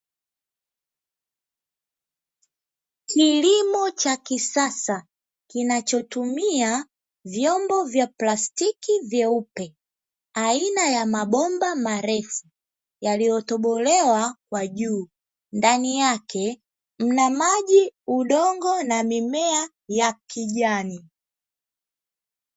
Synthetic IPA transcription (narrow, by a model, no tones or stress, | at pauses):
kilimɔt͡ʃakisasa | kinat͡ʃɔtumia | vjɔmbɔvjaplastikivjɛupɛ | ainajamaɓɔmbamaɾɛfu | jalijɔtɔɓɔlɛwakwaʄuː | ndanijakʰɛ | m̩namaʄiuɗɔŋɡɔnamimɛa | jakʰiʄani